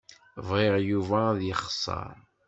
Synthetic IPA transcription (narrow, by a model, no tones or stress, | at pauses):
vʁeʁjuvæðjəχə̥sˤːɑ̰ɾˤ